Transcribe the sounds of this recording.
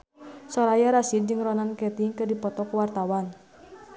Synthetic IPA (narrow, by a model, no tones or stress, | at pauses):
sɔɾajaɾasid̚d͡ʒɨŋrɔnankɛt̪iŋkɨrdipɔt̪ɔkuwart̪awan